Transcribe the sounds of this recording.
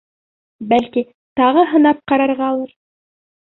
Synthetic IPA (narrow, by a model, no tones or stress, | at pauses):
bælki | t̪ɑʁɤɦɤ̆nɑp̚qɑɾɑɾʁɑːlˠɤɾ